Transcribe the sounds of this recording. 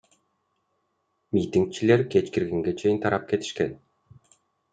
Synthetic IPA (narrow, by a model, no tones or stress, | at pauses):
mʲit̪iŋk̚t͡ʃile̞ɾket͡ʃkiɾɡeŋɡe̞t͡ʃʰe̞jint̪ʰɑɾɑp̚ke̞t̪i̥ʃken